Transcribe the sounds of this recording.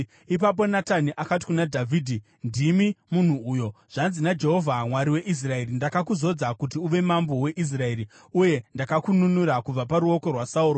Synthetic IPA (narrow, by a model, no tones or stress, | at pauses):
ip̬ap̬o̞nataniʔakat̬i̥kunadʱavʱidʱi | ndimimun̤uuːjo̞ʐ̥anzinad͡ʒe̞ɦo̞vʱamwaɾiwe̞ʔis̬rae̞ɾindakakuzo̞d͡zakutiuʋe̞mambo̞we̞ʔis̬rae̞ɾi | uje̞ndakakununuɾakub͡vapaɾuo̞ko̞rwasauːɾo